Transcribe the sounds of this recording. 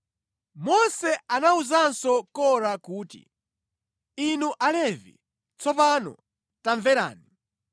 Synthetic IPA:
mɔnsɛanauzansɔkɔɾakuːtḭ | inuʔalɛvḭ | t͡sʰɔp̬anɔ̰ | taɱvɛɾa̰ːni

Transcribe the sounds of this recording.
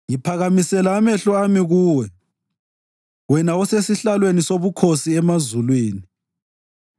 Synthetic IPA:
ŋipʰaɣamisɛlaːmɛɬɔamiɣuːwɛ | wɛnaɔsesiɬalwenisoβukʰosiɛmazulweːni

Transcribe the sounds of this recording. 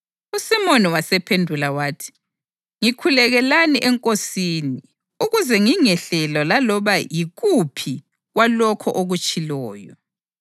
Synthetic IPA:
usimɔniwasɛpʰendʱulawaːtʰi̥ | ŋikʰulɛɣɛlaniʔɛŋkʼosiːni | uɣuzɛŋiŋɛɬɛlɔlalɔβajiɣupʰi | ɣwalɔkʰɔʔoɣut͡ʃʼilɔːjɔ̰

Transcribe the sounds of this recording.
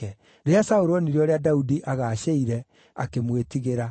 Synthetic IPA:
ɛ | ɾeasaoɾoniɾiɔɾeadaudiʔaɣaʃeiɾɛ | a̰kemwetiɣeɾa

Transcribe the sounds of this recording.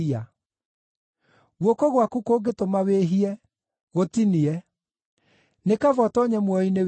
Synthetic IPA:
a | ɣwokɔɣwakukoːɡetomaweɦiɛ | ɣotiniɛ | nekavɔtɔɲɛmwɔinew

